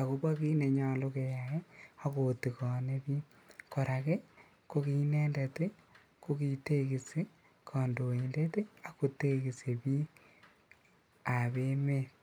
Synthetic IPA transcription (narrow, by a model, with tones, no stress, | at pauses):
a˨ko˦bwa˦ki˦ne˨ɲa˨lo˦ke˨ja˨je˦a˦ko˨ti˨kɔ˨ne˦βiː˦ | ko˨ɾa˨ke˦ | ko˦ki˦nɛ˦nde˨te˦ | ko˦ki˨te˦ki˨se˦ | kʰɔ˨ndo˨e˨nde˦te˦a˦ko˨te˦ki˨se˨βi˦ | a˨βe˦me˦